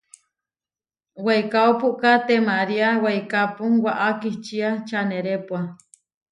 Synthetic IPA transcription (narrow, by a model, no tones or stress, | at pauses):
wajkaopuʔkat̪emaɾiawajkapuŋwaʔakiht͡ʃiat͡ʃaneɾepua